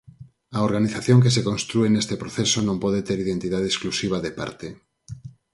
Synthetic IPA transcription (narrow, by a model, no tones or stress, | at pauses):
ɐoɾɣaniθaθjõŋkes̬ekonst̪ɾuenest̪epɾoθesonõmpɔðet̪eɾiðent̪iðað̞esklusiβ̞aðepa̰ɾt̪e